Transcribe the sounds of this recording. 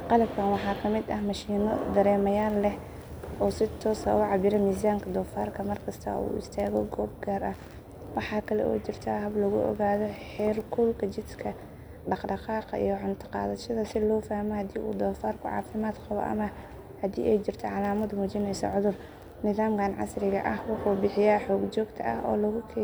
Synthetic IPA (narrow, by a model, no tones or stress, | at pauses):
qɑlɐb̚kʰaːnwɑħɑːkʰɐmɪd̪ɐɦmɐʃiːnɔ̰d̪ɐɾɛːmɐjaːlːɛh | ʔɔːsɪt̪ʰɔːsɐ̰uʕɑbɪɾɐmiːs̬aːŋkʰɐd̪ɔːfaːrkʰɐmɐrkʰɐst̪ʰɐ̰ʔṵːɪ̰st̪ʰaːɣɔ̰ɡɔːb̚ɡaːrɐh | wɑħɑːkʰɐlɛ̰ʔɔ̰ːt͡ʃɪrt̪ʰɐɦɐblɐɣʊʔɔ̰ɣaːðɔħɛːrkʰʊlkʰɐt͡ʃɪd̪kʰɐ | ɖɑqɖɑqɑːqɑḭjɔʕʊnt̪ʰɪ̥qɑ̰ːðɐʃɐðɐsɪlɔːfaːhmɔhɐd̪iːʔṵːd̪ɔːfaːrkʰʊʕɑ̰ːfɪmaːd̪qɑβɔ̰ʔɐ̰mɐ | hɐdḭːʔɛjt͡ʃɪrt̪ʰɔʕɑlaːmɐd̪muːt͡ʃɪnɛjsɔ̰ʕʊðʊr | nɪðaːmkʰaːnʕɑ̰srɪɣɐ̰ʔɐhwɑħuːbɪħɪjaːħɔːɡt͡ʃɔːɡt̪ʰɐ̰ɐ̰hɔ̰ːlɐɣʊkʰɛ